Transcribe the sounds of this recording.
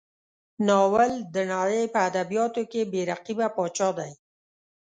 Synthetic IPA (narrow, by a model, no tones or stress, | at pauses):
nɑwald̪ənaɽəjpəad̪abijɑt̪okebeɾaqibapɑt͡ʃɑd̪aj